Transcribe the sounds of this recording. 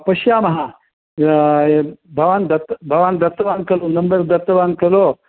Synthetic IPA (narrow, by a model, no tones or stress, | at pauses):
pɐʃjaːmɐɦa | bʱɐʋaːnd̪ɐt̪bʱɐʋaːnd̪ɐt̪ːɐʋaːnkɐlonɐmbɐɾd̪ɐt̪ːɐʋaːnkɐlo